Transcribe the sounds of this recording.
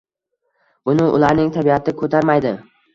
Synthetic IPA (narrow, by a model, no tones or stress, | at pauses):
bʊnɪʔʊ̰laɾnɪŋt̪ʰabiat̪ʰɪkʰɵt̪ʰaɾmajd̪ɪ